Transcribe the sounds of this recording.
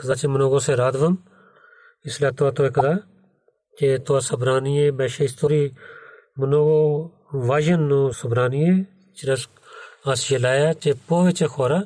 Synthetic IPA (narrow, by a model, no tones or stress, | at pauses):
kəzaːt͡ʃeːmənoːɡoːseːɾaːd̪ʋən | ɪsljaːt̪oaːt̪oːeːkəzaː | t͡ʃeːt̪ʊaːsəbɾaːniːẽːbɛːʃeːɪst̪oːɾiː | mənoːɡoː | ʋaːʒənːõːsəbɾaːniːeː | t͡ʃɪɾəs | aːsjeːlaːjaːt͡ʃeːpoːʋet͡ʃeːkʰoːɾaː